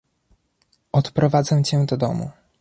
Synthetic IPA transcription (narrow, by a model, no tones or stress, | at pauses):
ɔt̪pɾɔvad̪zɛwt͡ɕɛ̃d̪ɔd̪ɔmṵ